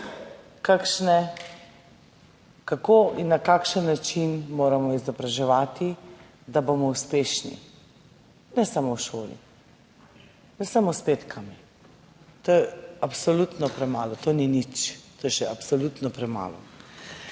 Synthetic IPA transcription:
kakʃnɛ | kakoːʔinːakakʃənːat͡ʃinmoːɾamɔizɔbɾaʒɛʋaːt̪i | d̪abomɔuspeːʃnḭ | nɛsamowʃoːlḭ | nɛsamospeːt̪kʰami | t̪ojɛapsɔlut̪nɔpɾɛmaːlɔt̪oninit͡ʃt̪oːjɛʃɛapsɔlut̪nɔpɾɛma̰ːlɔ̰

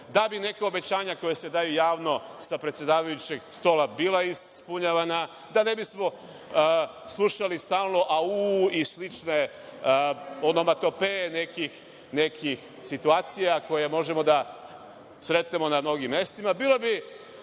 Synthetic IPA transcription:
d̪abine̞keo̞be̞t͡ɕaːɲako̞jese̞d̪ajujaːʋno̞ | sapɾet̪sje̞d̪aːʋajut͡ɕe̞ɡst̪o̞labiːlˠaispuɲaʋana | d̪ane̞bismo̞ | slˠuʃalist̪aːlˠno̞ʔauislit͡ʃne̞ | onomat̪o̞pene̞kix | ne̞kʰix | sit̪uaːt̪sijako̞jemo̞ʒe̞mo̞d̪a | sɾe̞t̪ne̞mo̞namno̞ɡimːje̞st̪imabiːle̞bi

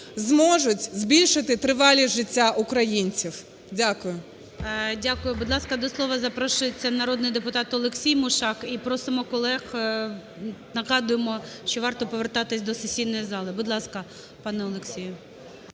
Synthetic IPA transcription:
zmɔʒʊtʲzbʲilʲʃɪt̪ɪt̪ɾɪʋɑlʲiʒɪtʲːaʔʊkɾɐjinʲt͡sʲiw | dʲakʊjʊ | dʲakʊjʊbʊd̪lˠɑskɐd̪ɔslˠɔʋɐzɐpɾɔʃʊjet͡sʲːɐnɐɾɔd̪nɪjd̪epʊt̪ɑt̪ɔlˠeksʲijmʊʃɑkipɾɔsɪmɔkɔlˠɛx | nɐɣɑd̪ʊjemɔʃt͡ʃɔʋɑrt̪ɔpɔʋert̪ɑt̪ɪsʲd̪ɔsesʲijnɔjizɑlˠɪbʊd̪lˠɑskɐ | pɑnɛɔlˠeksʲijʊ

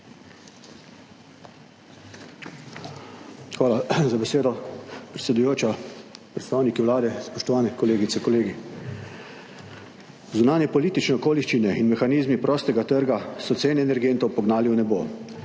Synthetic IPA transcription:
xʋaːlazabɛseːd̪ɔpɾɛt̪sʲɛd̪ujoːt͡ʃapɾɛt̪st̪aːwnikiwlaːd̪ɛspɔʃt̪ɔʋaːnɛkɔleːɡit̪sɛkɔleːɡi | zunaːnjɛpɔliːt̪it͡ʃnɛɔkoːliʃt͡ʃinɛinmɛxaniːzmipɾɔːst̪ɛɡat̪əɾɡasɔt̪seːnɛɛnɛɾɡeːnt̪ɔwpɔɡnaːliwnɛbo̰

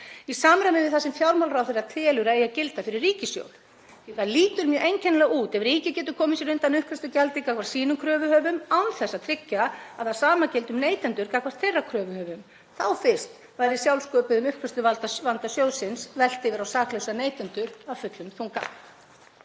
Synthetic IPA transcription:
isaːmɾamɪvɪðθasɛmfjawɾmawlrawθeɾaðt̪ʰɛːlʏɾaejacɪlt̪afɪɾɪrːiːcɪsjo̰wl̥ | ɛθaðliːt̪ʏɾmjœːʔejɲcʰɛnlɛɣuːt̪ɛvriːcɪcɛːt̪ʏ̥kʰɔːmɪsjɛɾʏnt̪anʏhkvɛst̪ʏcalt̪ɪkakvḁsiːnʏmkʰɾœːvʏhœːvʏmawnθɛsːat̪ʰɾɪcːaaðasaːmacɪlt̪ʏmneːjt̪ɛnt̪ʏɾkakvaɾ̥t̪ʰɛrːakʰɾœːvʏhœːvʏm | θawfɪr̥st̪ | vajɾɪ̥sjawlskɔːpɪðʏmʏhkʰvɛst̪ʏvalt̪avant̪asjoːwsɪnsvɛl̥t̪ɪvɪɾawsaːklœwsaneːjt̪ɛnt̪ʏɾawfʏt̪lʏmθuŋka̰

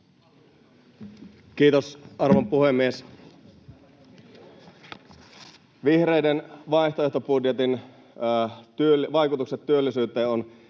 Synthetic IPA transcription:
k̟iːt̪osʔɑrʋompuhemːies | ʋihrejdenʋɑiht̪oeht̪opudjet̪in | t̪yølʋɑjkut̪ukset̪tyølːisyːt̪ˑeːon

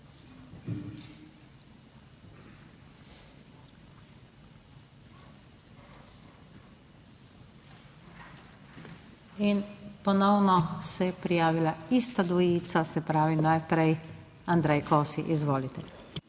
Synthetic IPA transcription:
inpɔnɔwnɔsɛpɾijaːʋilaist̪ad̪ʋɔjiːt̪sasɛpɾaːʋinajpɾɛj | and̪ɾɛjkɔːsḭʔizʋoːlit̪ɛ

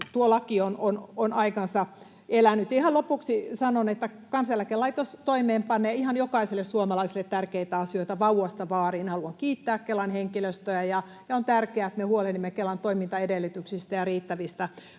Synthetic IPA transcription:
t̪uolɑkionononɑikɑnsɑ | elænːyt̪jihɑlopuksisɑnonet̪ːækɑnsjælækelɑit̪ost̪oimeːmpɑnːeːihɑnjokɑiselːessuomɑlɑisilːˑet̪tærkeit̪æɑsioit̪ɑʋɑuwɑst̪ɑʋɑːriːnhɑluɑŋkiːt̪ːæːkkelɑnheŋkiløst̪øæjɑ | jɑont̪ærkeæt̪mehuolenːimːekelɑnt̪oimint̪ɑedelːyt̪yksist̪æjɑriːt̪ːæʋist̪æ

